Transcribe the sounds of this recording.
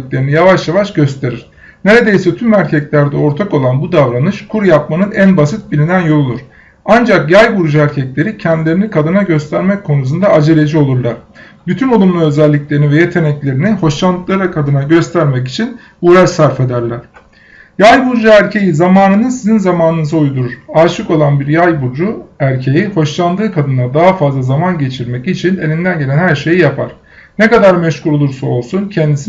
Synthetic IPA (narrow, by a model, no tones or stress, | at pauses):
clʲeɾinijavaʃjavaʃɟø̞st̪ʰe̞ɾiɾ̥ | ne̞ɾe̞d̪e̞jsɛt̪ʰymæɾcʰɛclʲæɾd̪ɛo̞ɾt̪ʰako̞lˠanbud̪avɾanɯʃkʰuɾjapmanɯnænbasɯt̪̚bilʲinænjo̞lˠolˠuɾ̥ | and͡ʒakjajbuɾd͡ʒaæɾcʰɛclʲe̞ɾicʰɛnd̪ilʲeɾinikʰad̪ɯnaɟø̞st̪ʰæɾmɛckʰːo̞nus̬und̪aːd͡ʒelʲe̞d͡ʒio̞lˠuɾlˠaɾ̥ | byt̪ʰynolˠumlˠaø̞zælʲːiclʲe̞ɾinivɛje̞t̪ʰe̞nɛclʲe̞ɾiniho̞ʃlˠanlˠɯklˠaɾakʰad̪ɯnaɟø̞st̪ʰæɾmɛc̬i̥t͡ʃʰin | uːɾɛsaɾfe̞d̪æɾlʲæɾ̥ | jajbuɾd͡ʒuæɾcʰejizamaːnɯnɯsizinzamaːnɯnɯzaujd̪uɾuɾ̥aːʃɯko̞lˠanbiɾjajbuɾd͡ʒuæɾcʰe̞jiho̞ʃlˠand̪ɯːkʰad̪ɯnad̪aɦafazlˠazamanɟe̞t͡ʃʰiɾmɛcit͡ʃʰine̞lʲind̪ænɟe̞lʲænhæɾʃe̞jijapʰaɾ̥ | nekad̪aɾmɛʃkuɾo̞lˠuɾsao̞lˠsuncʰɛnd̪isi